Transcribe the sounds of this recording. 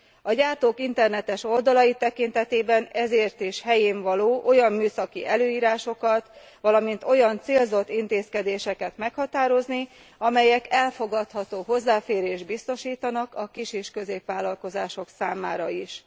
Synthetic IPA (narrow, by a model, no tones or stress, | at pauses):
ɒɟaːrt̪oːkint̪ɛrnɛt̪ɛʃo̞ld̪ɒlɒjit̪ɛkint̪ɛt̪eːbɛnɛzeːrt̪eʃhɛjeːɱvɒloːʔo̞jɒmːyːsɒkiʔɛløːiːɾaːʃo̞kɒt̪ | ʋɒlɒmint̪o̞jɒnt̪seːlzo̞t̪ːint̪eːskɛd̪eːʃɛkɛt̪mɛkhɒt̪aːɾo̞zni | ɒmɛjɛkɛlfo̞ɡɒt̪hɒt̪oːɦo̞zːaːfeːɾeːʒd̪bist̪o̞ʃiːt̪ɒnɒkɒkiʃeːʃkø̞zeːpʋaːlɒlko̞zaːʃo̞ksaːmaːɾɒiʃ